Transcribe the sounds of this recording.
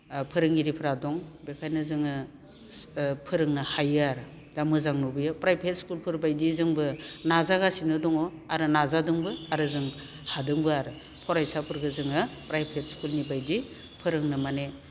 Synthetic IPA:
pʰɯɾɯŋiɾipʰɯɾadɔŋbekʰajnɯzɯŋɯ | pʰɯɾɯŋnɯhajɯaɾɯ | d̥amɯzaŋnubɯjapɾajpʰet̚skulpʰɯɾbajdizɯŋbɯnazaɡasinɯdɔŋɔaɾɯnazadɯŋbɯaɾɯzɯŋ | hadɯŋbɯaɾɯ | pʰɔɾajsapʰɯɾɡɯzɯŋɯpɾajpʰet̚skulnibajdi | pʰɯɾɯŋnɯmane

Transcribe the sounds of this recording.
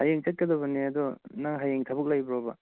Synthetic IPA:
hajeŋt͡ʃɐt̚kɐd̪ɐbɐneɐd̪ɔnaŋɦajeŋtʰɐbɯk̚lajbɾɔbɐ̰

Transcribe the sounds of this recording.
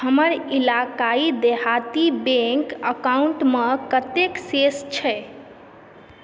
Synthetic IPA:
həməɾilakaid̪eɦat̪ibẽkəkauɳʈməkət̪eksest͡ʃʰɛ

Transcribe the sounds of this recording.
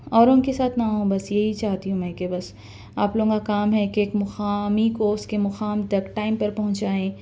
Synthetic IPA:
ɔːɾõnkesaːt̪ʰnaɦõːbɐsjeɦit͡ʃaːɦt̪iɦũmɛ̃ːkebɐs | aːploːɡõkakaːmɦɛkeeːkmʊxaːmikoːskemʊxaːmt̪ɐkʈaːɪmpɐɾpɐɦʊ̃nt͡ʃaːẽː

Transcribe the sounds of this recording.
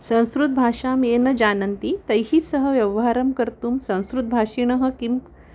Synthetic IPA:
sɐ̃w̃skɾut̪̚bʱaːʂaːmenɐd͡ʑaːnɐnt̪it̪ɐjɦisəɦəʋjɐʋɦaɾɐmkɐɾt̪umsɐ̃w̃skɾut̪̚bʱaːʂiɳ̃ɐɦə̆kim

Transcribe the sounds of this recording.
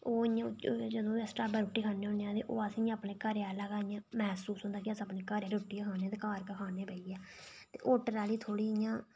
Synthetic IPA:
oːɪjãːd͡ʒəd̪õːsʈaːbaːɾʊʈːiːkʰaːneːɦõneãːt̪ḛːʔoːasɪ̃jãːəpneːkaːɾjaːlaːkaːɪjãːmɛːsuːsɦʊ̃nd̪aːkɪəsəpneːkaːɾjaːɾoʈːiːkʰaːnːt̪eːkaːɾkəkʰaːneːbəːiːɛː | t̪ḛːʔoːʈəɾaːliːt̪ʰoːɽiːɪjãː

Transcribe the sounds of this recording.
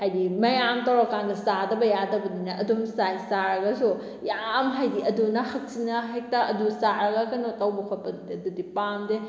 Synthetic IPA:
hajdimɐjamtɐwɾɔkaŋɡɐsadɐbɐjadɐbɐdinaʔɐdumsajsaɾɐɡɐsu | jamɦajdiɐdunɐhɐk̚sinɐɦajk̚taɐdusaɾɐɡɐkɐnotawbɐkʰɔpɐdudiɐdudipamde

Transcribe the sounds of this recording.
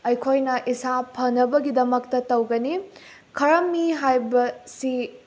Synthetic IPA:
ɐjkʰojnɐʔisapʰɐnːɐbɐɡidɐmɐk̚tɐtɐwɡɐni | kʰɐɾɐmːiɦajbɐsi

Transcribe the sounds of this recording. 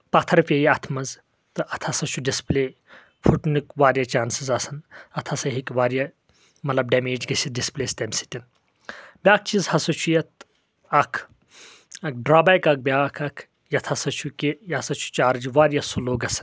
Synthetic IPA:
pɐt̪ʰɐɾfʲejiɐt̪ʰmɐz | t̪ɨʔɐt̪ʰɐsɐt͡ʃʰuɖispleː | fʰuʈnɨkʋaːɾjɐt͡ʃaːnsizɐsɐnɐt̪ʰɐsɐɦikʋaːɾja | mɐt̪lɐb̚ɖɐmeːd͡ʒɡɐsʲidispleːst̪ʲɐmsi̥t̪ʲɐn | bʲjaːk̚ʰt͡ʃizhɐsot͡ʃʰujɐt̪ | ɐkʰ | ɐk̚ɖɾaːbaːjkɐk̚bʲjaːkʰɐkʰ | jɐt̪ʰɐsɐt͡ʃʰukʲijasɐt͡ʃʰu̥t͡ʃaːɾd͡ʒiʋaːɾjɐsuloːɡɐsɐ̥n

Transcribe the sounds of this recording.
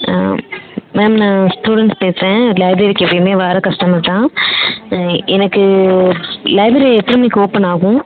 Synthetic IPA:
meːmnãːsʈuːɽɛɳʈspeːsɾẽlɐɪbɾeɾikːɛʋːɐjɐmeːʋaːɾɐkɐʂʈɐmɐʈːãː | ɛnɐkːɯ | lɐɪbɾɐɾiɛt̪ːɪɾɐmnikːoːpɐnaːɣʊ̃

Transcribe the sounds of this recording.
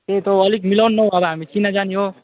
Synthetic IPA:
t̪et̪oːlikmilawnːʌɦũʌbʌɦamit͡ʃinad͡ʒaniɦo

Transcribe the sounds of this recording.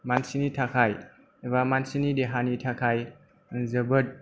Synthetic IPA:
mansinitʰakʰaj | βamansinideɦanitʰakʰaj | zəbət̚

